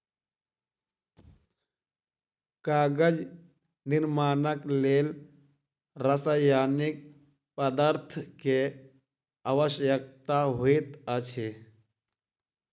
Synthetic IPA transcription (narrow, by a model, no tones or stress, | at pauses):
kaːɡəd͡ʒ | nɪɾmaːnəkleːl | ɾəsəjaːnik | pəd̪əɾt̪ʰke | aʋəʃjək̚t̪aɦoit̪ət͡ʃʰe